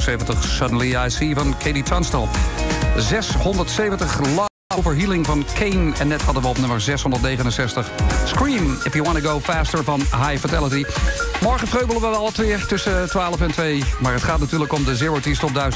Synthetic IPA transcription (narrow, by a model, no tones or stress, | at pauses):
sejvəntəχsʌdən̩liajsivɑnkʰejditʰɑnstəlˠ | zɛsɦɔndəɹtsejvəntəχlɑ | ovəɹɦilˠɪŋvɑnkʰenɛnːɛthɑdənʋəɔp̚nɵməɹzɛsɦɔndəɹtnejχənənsɛstəχskɹimɪfjuwɑ̃ntəɡowfɛːstəɹvɑnɦajfətɛlˠətimɔɹχə̃frøɥbəlˠəʋəɑlˠətʋɪːɹtɵsətʋaːləfɛntʋejmaːɹətχaːtnatyːɹləkɔmdəzɪɹɑɹtistɔb̚dœɥ